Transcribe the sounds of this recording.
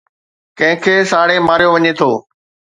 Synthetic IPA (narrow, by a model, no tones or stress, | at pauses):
kɐ̃ɦɪ̃kʰeːsaːɽemaːɾijoʋɐɲet̪ʰoː